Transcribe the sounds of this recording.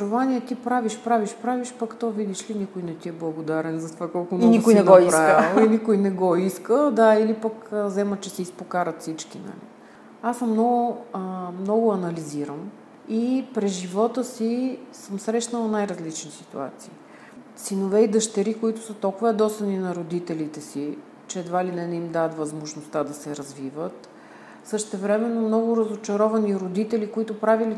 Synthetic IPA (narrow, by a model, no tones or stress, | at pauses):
ʒovaniɛt̪ipɾaviʃpɾaviʃpɾaviʃpəkt̪ɔvid̪iʃlinikʊjnɛt̪iɛblˠɐɡod̪aɾɛnzɐt̪ovakɔlˠkʊnnik̪ʊɛnɛnɔipɾaɛlˠinikʊjnɛɡɔiskəd̪ailipəkəzɛmət̪t͡ʃɛsɛispokaɾət̪fsit͡ʃkinɐ̰lḭ | asəmːnɔɡʊ | mnɔɡʊɐnɐliziɾəm | ipɾɛzʒivɔt̪əsisəmsɾɛʃnəlˠɐnajɾɐzlit͡ʃnisi̥t̪ṵa̰t̪siː | sinovɛid̪əʃt̪ɛɾikoit̪ʊ̥sət̪ɔlˠkʊvɐd̪ɔst̪ɐninɐɾod̪it̪ɛlit̪ɛsi | t͡ʃɛːd̪valinɛnimd̪at̪vɐzmoʒnost̪ad̪ɐsɛɾɐzvivət̪ | sɤʃt̪ɛvɾɛmɛnːomnɔɡʊɾəzot͡ʃɐɾɔvɐniɾod̪it̪ɛlikoit̪ʊpɾavili